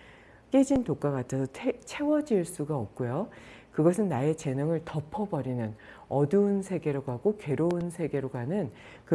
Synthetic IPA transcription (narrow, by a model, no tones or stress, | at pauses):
k͈e̞d͡ʑintok͈aɣatʰʌsʰʌt͡ɕʰe̞wʌd͡ʑiɭs͈uɡaʌp̚k͈ujo | kɯɡʌsʰɯnːae̞t͡ɕe̞nɯŋɯɭtʌpʰʌbʌɾinɯn | ʌduunsʰe̞ɡe̞ɾoɡaɡoke̞ɾounsʰe̞ɡe̞ɾoɡanɯn | kɯ